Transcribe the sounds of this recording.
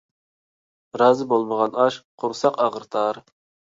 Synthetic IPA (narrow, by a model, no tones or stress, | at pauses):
ɾɑːzɨbolˠməʁɑnɑʃqʰʊɾsɑqɑʁəɾt̪ʰɑɾ